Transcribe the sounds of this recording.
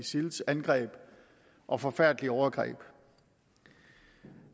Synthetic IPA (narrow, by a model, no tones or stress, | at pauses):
isilsænɡ̥ʁɛ̰ːb̥ | ʔɒ̽fɒ̽fæɐ̰d̥liɒʊɐɡ̥ʁɛ̰ːb̥